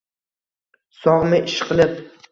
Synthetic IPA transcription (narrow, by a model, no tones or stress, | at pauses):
sɒʁmɪʔɪʃqʰɨlˠɪp̚